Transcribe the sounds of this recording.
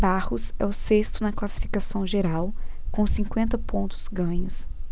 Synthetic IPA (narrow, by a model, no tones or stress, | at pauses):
bahʊsɛ̰ʊsest̪ʊnɐklasi̥fi̥kasɐ̃w̃ʒeɾawkõw̃sĩkwẽnt̪ɐpõnt̪ʊ̥z̥ɡɐ̃ɲʊs